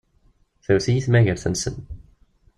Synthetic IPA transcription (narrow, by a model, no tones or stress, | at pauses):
θæwθijiθmæʝəɾθənsə̰n